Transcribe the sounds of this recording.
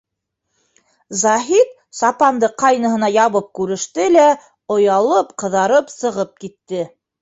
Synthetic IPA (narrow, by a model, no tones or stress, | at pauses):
zɑɦit̪ | sɑpɑnd̪ɤqɑjnɤ̆ɦɤ̆nɑjɑβɤp̚kʉɾɘ̆ʃt̪ɘlæ | ŏjɑlˠɤpqɤ̆ðɑɾɤpsɤ̆ʁɤp̚kit̪ːɘ